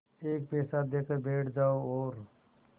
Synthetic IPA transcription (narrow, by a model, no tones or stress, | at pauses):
eːk̚peːsad̪eːkəbʱeːʈʰd͡ʒaːooːɾ